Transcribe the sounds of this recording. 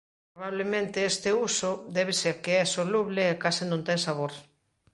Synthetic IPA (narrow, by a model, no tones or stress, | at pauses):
pɾoβaβlemẽnt̪eest̪eusoðɛβ̞esekeɛsoluβleːkasɪnõnt̪ɛŋsaβoɾ